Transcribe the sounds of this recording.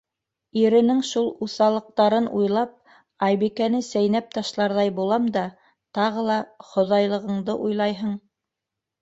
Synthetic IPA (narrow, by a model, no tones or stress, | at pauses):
iɾɘ̆nɘŋʃulˠuθɑlˠɤ̆q̚t̪ɑɾɤnujlˠɑp̚ | ɑjbikænɘsæjnæp̚t̪ɑʃlˠɑɾðɑjbulˠɑmd̪ɑ | t̪ɑʁɤlˠɑχŏðɑjlˠɤ̆ʁɤ̆ɴd̪ɤʔujlˠɑjɦɤɴ